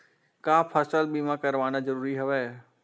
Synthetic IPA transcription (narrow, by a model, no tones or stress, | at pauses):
kaːpʰəsəlɓiːmãkɐɾʋaːnazɐɾuːɾiɦʊʋeː